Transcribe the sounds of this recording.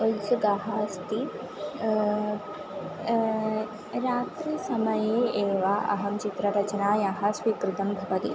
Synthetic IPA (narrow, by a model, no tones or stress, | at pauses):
ɐlsɐɡaɦast̪i | ɾaːt̪ɾisɐmɐjeːeːʋaʔɐ̰ɦɐmt͡ʃit̪ɾɐɾɐt͡ʃɐnaːjaɦɐ̆sʋikɾɪt̪ɐmbʱɐʋɐt̪i